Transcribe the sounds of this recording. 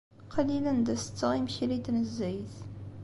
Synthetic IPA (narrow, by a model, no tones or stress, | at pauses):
qʰɑlilənd̪əsə̥t͡sːəʁimçiɾit̪nəzːæjθ